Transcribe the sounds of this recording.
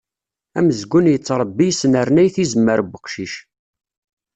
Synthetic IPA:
æməzɡʷːʊnjət͡sːɾˤəbːijsnəɾnæjθizəmːəɾbəqʃiʃ

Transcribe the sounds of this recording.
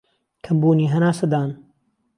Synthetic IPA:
kʰɐmbuːniːɦɐnaːsɐd̪aːn

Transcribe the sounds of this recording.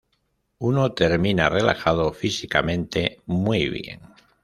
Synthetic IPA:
unot̪e̞ɾmĩnare̞lʔa̰xaðofisikamẽ̞nt̪e̞mwiβje̞̰ŋ

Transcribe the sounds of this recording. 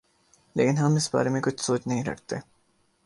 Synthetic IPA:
lḛːkɪnɦɐmɪsba̰ːɾemẽkʊt͡ʃʰsoːt͡ʃnɐɦĩɾɐ̰kʰt̪eː

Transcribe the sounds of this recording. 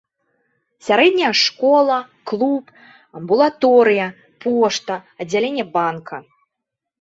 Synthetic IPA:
sʲaɾɛd̪ʲnʲɐjɐʂkɔlˠɐ | klˠup | ɐmbulˠat̪ɔɾɨjɐ | pʰɔʂt̪ɐɐd͡zʲːalʲenʲːɛbankʰɐ

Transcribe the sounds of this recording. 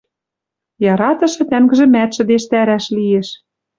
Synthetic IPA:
jɑɾɑt̪ɤ̆ʃɤ̆t̪æŋɡɘ̆ʒĕmæt̪ʃɘ̆d̪eʃt̪æɾæʃlijeʃ

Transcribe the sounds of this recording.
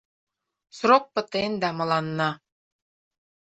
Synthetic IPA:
srok̚pə̆t̪end̪æmɤ̆lɑnːɑ

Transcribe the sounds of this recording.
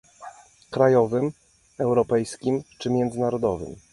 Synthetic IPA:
kɾajɔvɘm | ɛwɾɔpɛjskʲimt͡ʂɘmʲjɛnd̪zɘnaɾɔd̪ɔvɘ̰m

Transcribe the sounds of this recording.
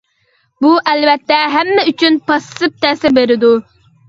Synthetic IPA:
buʔɛlvɛt̪ːɛɦæmːɛyt͡ʃʰynpʰɑsɨp̚t̪ʰɛːsɪɾbeɾɪd̪u

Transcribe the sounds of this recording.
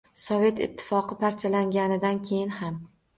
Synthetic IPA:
sɒve̞t̪ɪ̰t̪ʰːɪ̥fɒqɨpaɾt͡ʃʰalaŋɡʲanɪd̪ankʲʰe̞jɪnham

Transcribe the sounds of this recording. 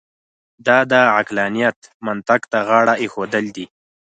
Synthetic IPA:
d̪ɑd̪əʕaklɑnijat̪mant̪akt̪aɣɑɽaexod̪əld̪i

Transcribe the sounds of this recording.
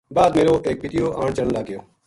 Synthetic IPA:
baːd̪meːɾoːʔeːk̚pɪt̪ijoːʔãːɳt͡ʃəɽnlaːɡɪjoː

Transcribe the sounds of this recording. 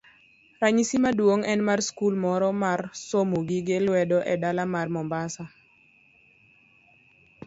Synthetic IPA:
raɲisimadwoŋɛnmarskulmɔɾɔmarsomoɡiɡelwɛdɔʔɛdalamarmɔmbasa

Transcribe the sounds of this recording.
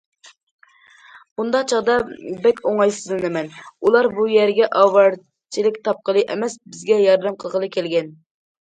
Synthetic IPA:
b̥und̪ɑqt͡ʃʰɑʁd̪ɑbɛkʲoŋɑjsɨzɨnɨmɛnulˠɑɾbujɛɾɡʲɛʔɑwɑɾ | t͡ʃʰilɪkʲt̪ʰɑp̚qəlˠɨʔemɛsbɪzɡʲɛjɑɾd̪ɛmqʰəlˠʁəlˠɨkʲɛlɡʲɛn

